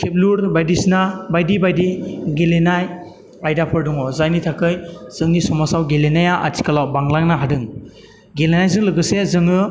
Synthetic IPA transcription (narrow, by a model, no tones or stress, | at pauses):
kʰep̚luɾbajdisnabajdibajdiɡelenaj | ajdapʰɯɾdɔŋɔzajnitʰakʰɯjz̥ɯŋnisɔmasawɡelenajaʔa̰tʰi̥kʰalawbaŋlaŋnaɦadɯŋ | ɡelenajzɯŋlɯɡɯsezɯŋɯ